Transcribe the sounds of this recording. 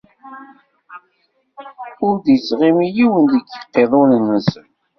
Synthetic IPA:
ʊɾd̪jət͡sːʁimijiwənd̪əɡəqːeðˤonənːəsən

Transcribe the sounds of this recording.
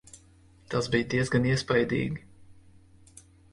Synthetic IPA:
t̪azbijd̪iɛzɡaniɛspajd̪ḭːɡʲi

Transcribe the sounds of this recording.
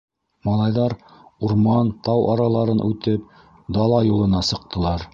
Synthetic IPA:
mɑlˠɑjðɑɾuɾmɑnt̪ɑwʔɑɾɑlˠɑɾɤnʔʉt̪ɘp̚ | d̪ɑlˠɑjulˠɤ̆nɑsɤ̆q̚t̪ʰɤ̆lˠɑɾ

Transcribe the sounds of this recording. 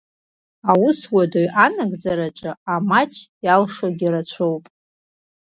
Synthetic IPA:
awʊswadoɥʔanaɡʼd͡zaɾat͡ʃʼɨamat͡ʃʼʰjalʂoɡʲiɾat͡ʃʷʰowpʼ

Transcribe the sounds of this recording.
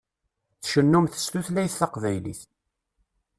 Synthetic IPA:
θʃənːumθə̥st̪uθlæjθɑqvæjliθ

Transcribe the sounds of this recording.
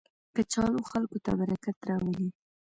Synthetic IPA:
kət͡ʃɑloxalkot̪a̰baɾakat̪ɾɑwəli

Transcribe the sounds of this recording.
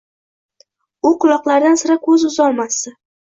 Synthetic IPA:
ʊqʊlˠɒqlˠaɾd̪ansɪɾakʰɵzʊzɒlˠmasɪ

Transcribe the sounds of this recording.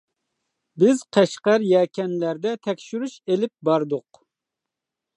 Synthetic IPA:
bɪz̥qʰæʃqæɾjɛːkʲʰɛnlæɾd̪ɛt̪ʰɛkʲʃyɾuʃelɪp̚bɑɾd̪ʊq

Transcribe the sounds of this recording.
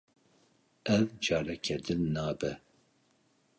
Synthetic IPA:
ɛvd͡ʒɑːɾɛkʰɛd̪ɨnːɑːbɛ

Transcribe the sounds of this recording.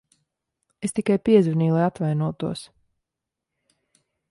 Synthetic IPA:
est̪ikajpiɛzviniːlˠajat̪vajnuɔt̪uɔs

